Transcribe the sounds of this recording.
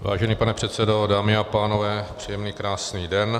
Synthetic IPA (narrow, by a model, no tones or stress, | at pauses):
va̰ːʒɛniːpanɛpr̝̥ɛt̪sɛdo̞daːmɪapaːno̞vɛːpr̝̥ijɛmniːkɾaːsniːdɛn